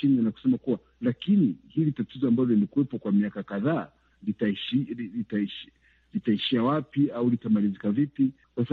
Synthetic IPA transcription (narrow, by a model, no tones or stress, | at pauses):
inianaku̥sɛmakuwa | lakinihilitatizɔambalɔlikuwɛpɔkwamiakakaðaː | litaiʃiiitaiʃ | litaiʃiawapiaulitamalizikavipi | kwasa